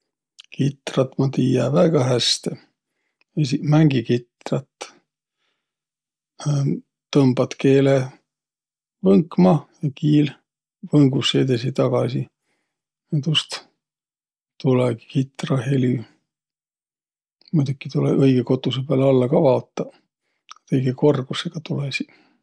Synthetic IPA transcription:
kit̪rɑt̪mɑt̪ijævæɡ̥ɑɦæst̪e | esimæŋɡikit̪rɑt̪ː | t̪ɤmbɑt̪keːle | vɤŋkmɑjɑkiːl | vɤŋɡused̪es̬it̪ɑɡ̥ɑsi | et̪ust̪ | t̪uleki̥kit̪rɑɦely | mujd̪ukːi̥t̪ulḛʔɤjɡ̥eko̞t̪ːˑusepeːleɑlːɑkɑvɑot̪ːɑ | et̪ɤjɡ̥eko̞rɡ̥useɡ̥ɑt̪ulesi

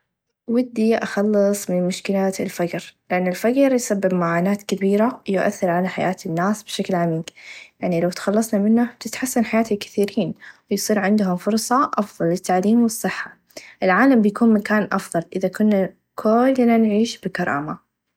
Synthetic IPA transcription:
wɪd̪ːiʔaxɑlːɨsˤmɪnmʊʃkɪlaɪlfad͡ʒɾlɪʔanːɪlfad͡ʒɾjsabːɪbmaʕaːnaːt̪kabiːɾawjɪʔa̰θːɪɾʕalaħajaːt̪ɪnːaːsbʃaklʕamiːɡjaʕnilawt̪xɑlːɑsˤnamɪnːabt̪ɪt̪ħasːanħajaːt̪akɪ̥θiːɾiːnwjsˤiːɾʕɪnd̪hʊmfʊɾsˤɑʔɑfðˤɑlːɪt̪ːaʕliːmwɨsˤːɨħːa | ʔɪlʕaːlambɪjakuːnmakaːnʔɑfðˤɑlʔɪðakʊnːa | kʰʊlːnanʕiːʃbɪkɑɾˤɑ̰ːma

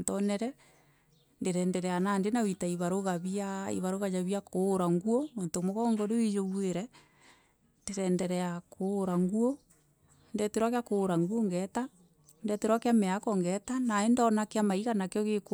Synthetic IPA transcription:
ntɔnɛɾɛ | ndeɾɛndɛɾɛanandenawitaiβaɾoɣaβiaḭβaɾoɣajaβiakoːɾaŋɡuomontomoɣɔŋɡɔɾewijoβweɾɛ | ndeɾɛndɛɾɛakoːɾaŋɡuo | ndɛteɾwakeakoːɾaŋɡwoŋɡɛta | ndɛteɾwakeamɛakɔŋɡɛtanaendanakeamaiɣanakeɔɣek

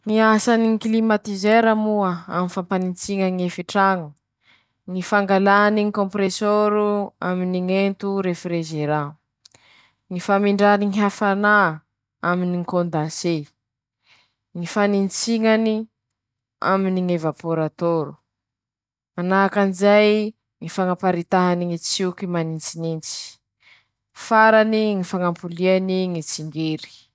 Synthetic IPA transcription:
ŋiasaniŋklimat̪izeɾamuaa̰mifampanint͡siŋanefiʈ͡ʂaŋu | ŋifaŋɡalaniŋkɔ̃mpɾesoɾua̰miniŋent̪uɾefɾeʒeɾa | ŋifamiɳɖ͡ʐaniŋiɦafana | aminiŋkõnd̪ãse | ŋifanint͡siŋani | a̰miniŋevapoɾat̪oɾu̥ | anaakanizaj | ŋifaŋapaɾit̪aɦaniŋit͡sukimanint͡sinint͡si̥ | faɾaniŋifaŋampulianiŋit͡siŋɡeɾi̥

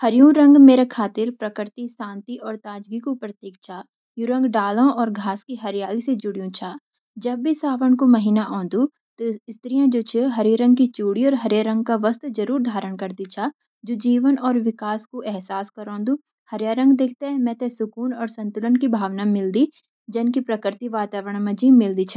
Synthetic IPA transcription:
həɾjũɾə̃ŋɡmeːɾakʰaːt̪ɪɾpɾəkəɾt̪isãːnt̪iʔɔːɾt̪aːd͡ʒɡikopɾɐt̪eːk̚t͡ʃʰaː | juɾə̃ŋɡɖaːlõɔːɾɡʱaːskiɦɐɾjaːlised͡ʒʊɽijũt͡ʃʰaː | d͡ʒɐbːisaːʋəɳkoməɦinaʔɔ̃ːnd̪u | t̪ɪst̪ɾijãd͡ʒoːt͡ʃʰeɦɐɾiɾə̃ŋɡ̚kit͡ʃuːɽiɔːɾɦɐɾjaɾə̃ŋɡ̚kaʋəst̪d͡ʒɐɾuːɾd̪ʱaːɾəɽ̃kɐɾd̪it͡ʃʰaː | d͡ʒoːd͡ʒiːʋənɔːɾʋɪkaːskoʔɛɦsaːskɐɾõːnd̪u | hɐɾjaːɾə̃ŋɡd̪eːk̚ʰt̪eɦɛmɛ̃ːt̪esʊkuːnɔːɾsɐ̃nt̪ʊlənkibʱaːʋnamɪld̪i | d͡ʒɐnkipɾɐkəɾt̪iʋaːt̪aːʋɾəɽ̃mɐ̃d͡ʒiːmɪld̪it͡ʃʰa

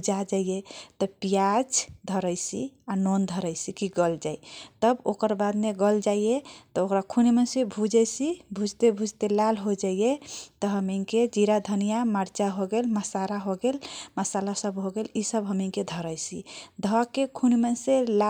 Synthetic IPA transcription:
d͡ʒad͡ʒaijet̪ɔpijad͡ʒd̪ʱəɾəɪsḭanond̪ʱəɾəɪsikiɡəld͡ʒait̪əbokəɾbad̪meɡəld͡ʒajjet̪ɔokɾakʰunimensebʱud͡ʒəsibʱud͡ʒt̪ebʱud͡ʒt̪elalɦod͡ʒaijet̪ɔɦəmiŋked͡ʒiɾad̪ʱənijamaɾt͡ʃaɦoɡelməsaɾaɦoɡelməsalasəbɦoɡelisəbɦəmiŋked̪ʱəɾəjsid̪ʱəkekʰunimensel

